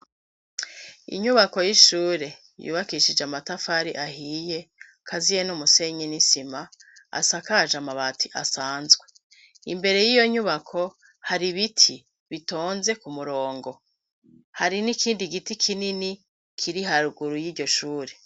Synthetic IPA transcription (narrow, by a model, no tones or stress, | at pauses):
ḭɲuβako̞jiʃuːɾe̞ | jṵːβakiʃid͡ʒeamatafaɾḭʔahiːje̞ | kʰazijenumuse̞ɲenisimaa̰sakaʒamaβatʰiʔasaːnzɡwe̥ | ḭmbe̞ɾe̞jijo̞ɲuβakʰo̞ | haɾiβitʰi | βito̞ːnze̞kumuɾo̞ːŋɡo̞ | haɾinikiːndiɡitikʰinini | kʰiɾiɦaɾuɡuɾujiːɟo̞ʃuːɾe̞